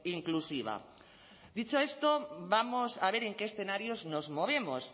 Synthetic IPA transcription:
iŋklusiβ̞a̰ | ðit͡ʃoest̪oβamosaβ̞eɾeŋkeːsθenaɾjoznozmoβ̞emos

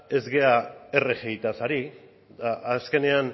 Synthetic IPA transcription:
e̞zɣe̞aerexejt̪asaɾi | aːske̞ne̞an

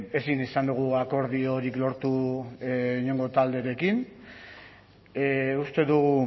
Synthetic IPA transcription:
e̞sinisand̪uɣ̞uako̞ɾð̞io̞ɾiklo̞ɾt̪u | iɲe̞ŋɡot̪ald̪e̞ɾe̞kin | ust̪e̞ðuɣu

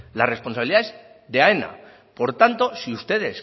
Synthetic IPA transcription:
la̰re̞spo̞nsaβiliðaez | ðe̞aena̰ | po̞ɾt̪ant̪o̞siust̪e̞ðe̞s

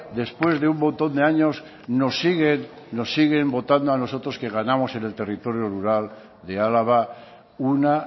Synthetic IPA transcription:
d̪e̞spwe̞zðe̞umːõ̞nt̪o̞nd̪e̞aɲo̞s | no̞sːiɣenː | o̞sːiɣ̞e̞mbo̞t̪and̪oano̞so̞t̪ɾo̞ske̞ɣanamo̞se̞ne̞lt̪e̞rit̪o̞ɾjoruɾal | d̪e̞alaβa | una

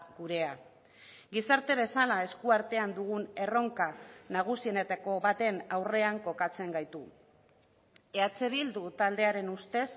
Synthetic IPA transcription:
ɡuɾe̞a | ɡisaɾt̪e̞β̞e̞salae̞skuaɾt̪e̞and̪uɣ̞une̞ro̞ŋkanaɣ̞usie̞ne̞t̪ako̞βat̪e̞nawre̞aŋko̞kat͡se̞ŋɡajt̪u | e̞at͡se̞βild̪ut̪ald̪e̞aɾe̞nust̪e̞s

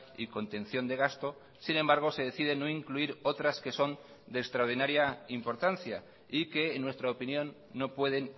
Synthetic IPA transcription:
iko̞nt̪enθjo̞nd̪e̞ɣast̪o̞ | sine̞mbaɾɣ̞o̞se̞ðe̞θiðe̞no̞iŋkluiɾo̞t̪ɾaske̞so̞n | d̪e̞ːkst̪ɾaoɾð̞inaɾjaimpo̞ɾt̪anθja | ike̞ːnːwe̞st̪ɾaopinjõ̞nːo̞pwe̞ð̞e̞n

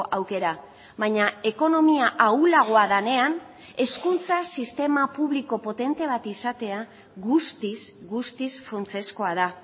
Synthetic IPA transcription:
ʔawke̞ɾa | βajɲae̞ko̞no̞miaʔawlaɣ̞o̞aðane̞an | e̞skunt͡sasist̪e̞mapuβ̞liko̞po̞t̪e̞nt̪e̞β̞at̪isat̪e̞a | ɣust̪isɡust̪isfunt͡se̞sko̞að̞a

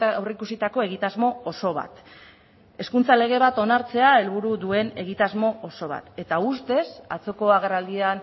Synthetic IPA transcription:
awreikusit̪ako̞e̞ɣ̞it̪azmo̞ːso̞β̞a̰t̪ | e̞skunt͡sale̞ɣ̞e̞β̞at̪o̞naɾt͡se̞ae̞lβuɾuðue̞ne̞ɣ̞it̪azmo̞oso̞β̞a̰t̪e̞t̪aust̪e̞sa̰t͡so̞ko̞aɣ̞e̞rald̪ian

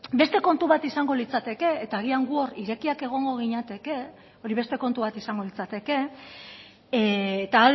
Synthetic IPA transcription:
be̞st̪e̞ko̞nt̪uβat̪isaŋɡo̞lit͡sat̪e̞ke̞ːt̪aːɣ̞iaŋɡuo̞riɾe̞kiake̞ɣ̞o̞ŋɡo̞ɣ̞iɲat̪e̞ke̞ | o̞ɾiβe̞st̪e̞ko̞nt̪uβat̪isaŋɡo̞lit͡sat̪e̞ke̞ | t̪aː

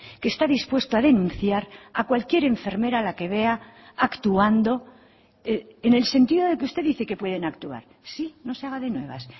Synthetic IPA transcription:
kest̪aðispwe̞st̪oaðe̞nũnθjaɾakwalkje̞ɾe̞ɱfe̞ɾme̞ɾalake̞βe̞aakt̪uand̪o̞ | eene̞lse̞nt̪iðo̞ðe̞k̬eust̪e̞ðiθeke̞pwe̞ð̞enakt̪ua̰ɾ | sino̞se̞aɣ̞aðe̞nwe̞̰β̞a̰s

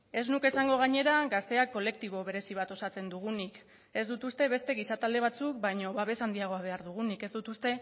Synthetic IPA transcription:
e̞znuke̞saŋɡo̞ɣ̞aɲe̞ɾaɡast̪e̞akːo̞le̞k̚t̪iβ̞o̞βe̞ɾe̞siβ̞at̪o̞sat͡se̞nd̪uɣ̞unik | e̞zd̪ut̪ust̪e̞βe̞st̪e̞ɣ̞isat̪ald̪e̞β̞at͡suk̚bajɲo̞βaβe̞sand̪iaɣ̞o̞aβ̞e̞aɾðuɣ̞unike̞zd̪ut̪ust̪e̞

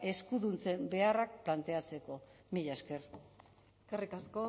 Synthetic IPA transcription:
e̞skuðunt͡se̞mbe̞arak̚plant̪e̞at͡se̞ko̞ | miʎaeske̞r | eskarikasko

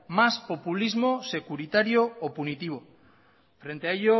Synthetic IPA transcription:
maspo̞pulizmose̞kuɾit̪aɾjoːpunit̪iβ̞o | fɾe̞nt̪eaeʎo

